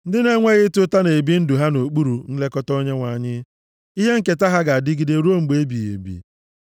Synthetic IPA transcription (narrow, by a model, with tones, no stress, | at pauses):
n̩˦dɪ˦ne˦ŋʷe˦ɣɪ˦tʊ˦ta˦ne˨bi˦n̩˦du˨ɦa˦no˨k͡pu˦ɾu˨n̩˦le˦kɔ˦tɔ˦ɲe˦ŋʷa˨ɲɪ˦ | i˦ɦe˦ŋ̩˦ke˨ta˦ɦa˦ɡa˨a˨dɪ˦ɡi˨de˨ɾo˦ŋ͡m̩˨ɡ͡be˨˦bi˨ḛ˨bḭ˨